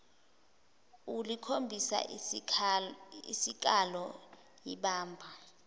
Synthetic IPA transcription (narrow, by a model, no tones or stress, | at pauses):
ulikʰombʱisa̰ | ḭsik̬ʼalɔ | jiɓaːmbʱa